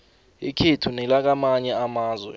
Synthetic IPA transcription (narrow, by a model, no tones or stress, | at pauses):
ikʰetʰunɛlak̬amaɲɛamaːzwɛ̰